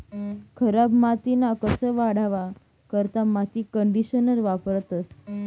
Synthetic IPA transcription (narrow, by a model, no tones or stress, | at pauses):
kʰəɾabmat̪inakəsəʋaɽaʋa | kəɾt̪amat̪ikəɳɖiɕənəɾʋapɾət̪əs